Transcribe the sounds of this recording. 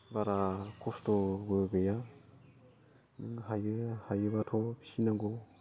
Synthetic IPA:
baɾakʰɔstɔɡɯɡɯja | nɯŋɦajɯhajɯbatʰɔsinaɡɔ

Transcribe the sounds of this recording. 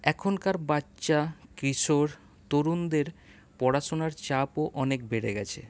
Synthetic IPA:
ɛkʰonkaɾbatːɕakɾiʃoɾ | t̪oɾund̪eɾ | pɔɽaʃonaɾt͡ɕapoʔɔnekbeɾeɡɛt͡ɕʰḛ

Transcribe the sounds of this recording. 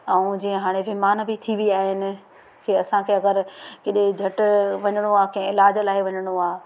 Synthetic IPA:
ɛũd͡ʑiːɦə̃ɦaːɽ̃eʋɪmaːnbɪt̪ʰiʋiaːɦɪnɪ̆ | kʰeɐsãkʰeːɐɡəɾkɪɗed͡ʑʱɐʈʊʋɐɲəɽ̃oaːkẽẽɪlaːd͡ʑlaːɦɪʋɐɲəɽ̃oaː

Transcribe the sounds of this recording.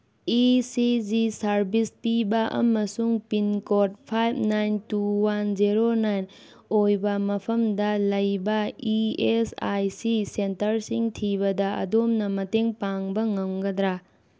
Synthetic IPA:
isid͡ʒisɐɾbispibɐʔɐ̰mɐsuŋpinkot̚pʰajb̚ʰnajntuwand͡ʒiɾonajn | ojbɐmɐpʰɐmdɐlɐjbɐiesa̰jsisentɐɾsiŋtʰiβɐdɐɐ̰domnɐmɐteŋpaŋbɐŋɐmɡɐdɾa

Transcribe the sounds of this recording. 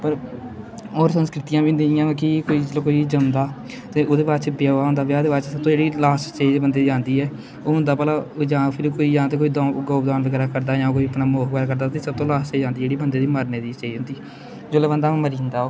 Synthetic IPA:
pəɾ | oːɾsənskɾɪt̪ijãːbiːnd̪iːjãːkikoːiːd͡ʒlːkoːiːd͡ʒəmd̪aː | t̪eːoːd̪eːbaːɾt͡ʃbjaːaːɦõnd̪aːbjaːd̪eːbaːt͡ʃsəb̚t̪õːd͡ʒeːɽiːlaːst͡ʃeːd͡ʒbənd̪eːd͡ʒãːnd̪iːɛː | oːɦʊ̃nd̪aːpɛlaːd͡ʒãːpʰɪɾkoːiːjãːt̪eːkoːiːd̪ãːɡaːpd̪aːnləɡɛːɾaːkəɾd̪aːjãːkoːiːəpnaːmoːkɡɛːɾaːkəɾd̪aːt̪eːsəb̚t̪õːlaːst͡ʃeːd͡ʒãːnd̪iːd͡ʒeːɽiːbənd̪eːd̪iːməɾneːd̪iːt͡ʃeːd͡ʒʊ̃nd̪iː | d͡ʒoːleːbənd̪aːməɾĩːnd̪aːoː

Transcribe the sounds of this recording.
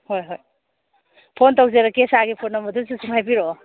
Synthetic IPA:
hojɦoj | pʰontawzeɾakesaɡipʰonːɐmɐdus̬isuŋajbiɾɔ

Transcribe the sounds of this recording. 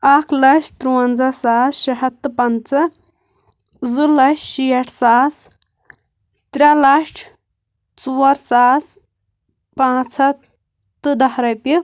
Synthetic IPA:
akʰlɐʃt̪ɾuwɐnd͡zɐsaːsʃɐɦɐt̪ːɨpɐnt͡sɐ | zɨlɐʃʃijɐʈʰsaːs | t̪ɾʲalɐʃʈʰ | t͡suwɐɾsaːs | pãːt͡sʰɐ | t̪ɨd̪ɐhɾɐjpi

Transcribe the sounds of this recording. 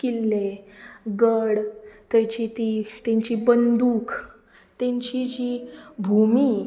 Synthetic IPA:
kilːeɡəɽt̪jat͡ɕit̪it̪ãɲt͡ɕiːbənd̪uːk | t̪jẽɲt͡ɕid͡ʑiːbʱumi

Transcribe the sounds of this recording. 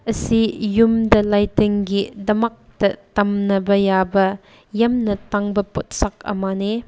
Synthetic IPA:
ɐsijumdɐlajteŋɡidɐmɐk̚tɐtɐmnɐbɐjabɐ | jɐmnɐtaŋbɐpot̚sak̚ɐ̰mane

